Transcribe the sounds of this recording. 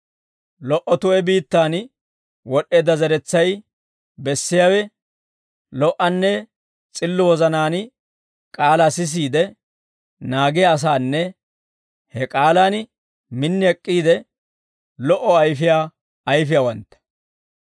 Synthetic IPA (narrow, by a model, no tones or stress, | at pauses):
lɔʔɔt̪ʊɛbiːt̪ːaːn | wɔʔːe̞ːd̪ɐzɐɾɛt͡sːɐj | bɛsːɪjaːwɛ | lɔʔɐnːɛ | t͡sʼɪlːʊwɔzɐnaːn | kʼaːlasɪs̬iːd̪ɛ | naːɡɪjːs̬aːnːɛ | hɛkʼaːlan | mɪnːɪɛkʼːiːd̪ɛ | lɔʔɔɐjfɪjaː | ɐjfɪjawɐnt̪ːɐ̥